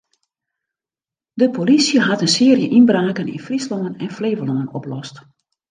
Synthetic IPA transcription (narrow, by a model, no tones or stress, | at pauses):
dəpʰolisjəɦatənsɪərjəʔinbraːkənḭnfrislɔŋənɛnfleːvəlɔŋənɔplɔst